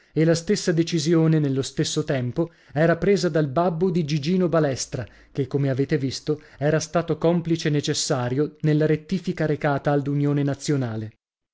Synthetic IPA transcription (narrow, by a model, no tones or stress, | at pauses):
elast̪esːad̪et͡ʃizjoːnenelːost̪esːot̪ɛmpo | ɛːɾapɾeːzad̪albabːod̪id͡ʒid͡ʒiːnobalɛst̪ɾa | kekːomeaveːt̪evist̪oɛːɾast̪aːt̪okɔmplit͡ʃeːnːet͡ʃesːaːɾjonelːaɾet̪ːiːfikaɾekaːt̪aːlːunjoːnenat̪sːjonaːle